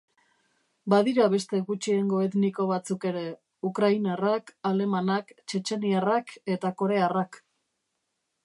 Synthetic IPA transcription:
baðiɾaβe̞st̪e̞ɣut͡ʃieŋɡo̞et̪niko̞β̞at͡suke̞ɾe̞ | ukɾajnerakale̞manakt͡ʃe̞t͡ʃe̞nierake̞t̪ako̞ɾe̞arak

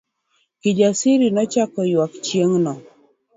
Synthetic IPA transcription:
kid͡ʒasiɾinɔt͡ʃakɔjwakt͡ʃjeŋnɔ

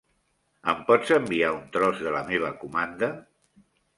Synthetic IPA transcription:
ə̰mpɔd͡zəmbiaunt̪ɾɔzðələmeβ̞əkumand̪ə

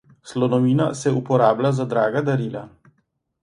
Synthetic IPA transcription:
slɔnɔʋiːnasɛupɔɾaːblazad̪ɾaːɡad̪aɾiːla

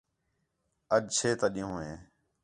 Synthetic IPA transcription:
əd͡ʒt͡ʃʰeːt̪aːɗɪjũːɦẽː

